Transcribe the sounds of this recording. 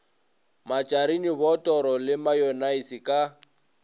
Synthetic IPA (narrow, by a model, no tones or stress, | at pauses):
mat͡ʃʼaɾiniβɔtʼɔɾɔlɪmajɔnaisikʼa